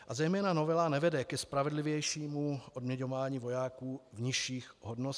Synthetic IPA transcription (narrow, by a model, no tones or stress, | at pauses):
ʔazɛjmɛːnanovɛlanɛvɛdɛkɛspɾavɛdlɪvjɛjʃiːmuʔodmɲɛɲovaːɲiːvo̞jaːkuːvɲɪʃiːxɦodnos